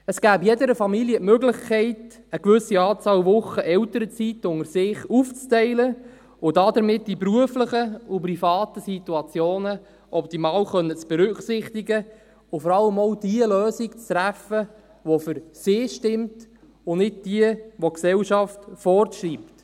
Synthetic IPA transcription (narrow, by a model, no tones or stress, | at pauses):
əsɡ̥æːbjedəɾəfɑmiljətmøɡlɪχkʰɛɪt | əkʋʏsiɑːt͡sɑːwʋʊχəʔɛwtəɾət͡sitʊŋəɾsɪːχuːft͡stɛɪlə | ʊdɑdəɾmɪtd̥ipruəfləχəʊp̬rifɑːtəsituɑt͡sjoːnə | ʔɔp̚timɑːwχœnːət͡sb̥ɛɾʏχsɪχtiɡə | ʊfɔɾɑlːəmowd̥iəløːsikt͡st̪ɾæfə | ʋofʏɾsɪːʃtɪmt | ʊnɪd̚d̥iəʋoksɛwʃɑftfɔrtʃriːpt